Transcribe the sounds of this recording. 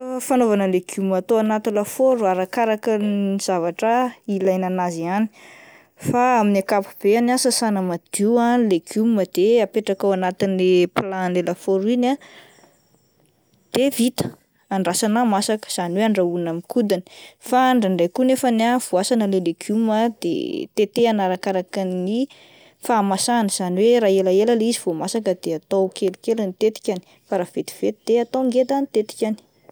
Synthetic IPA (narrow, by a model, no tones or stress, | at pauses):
fanovanəleɡ̥umat̪oanat̪ilafoɾuaɾakaɾakəniz̥avaʈ͡ʂəilajnanaziani̥ | faaminakapub̥eanasasanəmad̪̥ualeɡjumməd̪̥eapeʈ͡ʂakawanat̪inileplanlelafoɾuina | d̪̥evit̪ə̥ | aɳɖ͡ʐasanamasakə̥z̥aniweaɳɖ͡ʐaunamikud̪in̥faɳɖ͡ʐaɳɖ͡ʐajkunefanav̥uasanəleleɡuməd̪ḛt̪et̪eanaɾakaɾakəni | faːmasanəz̥aniweɾaːelaeləlizivomasakəd̪eat̪owkelikelənit̪et̪i̥kʲani̥ | faɾaːv̥et̪i̥v̥et̪id̪̥eat̪owŋɡet̪anit̪et̪i̥kʲani̥